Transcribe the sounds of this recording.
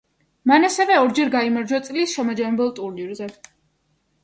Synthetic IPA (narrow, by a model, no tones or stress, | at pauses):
manasɛvɛɔɾd͡ʒɛɾɡaimaɾd͡ʒwat̪sʼlisʃɛmad͡ʒamɛbɛlˠt̪ʼuɾniɾzɛ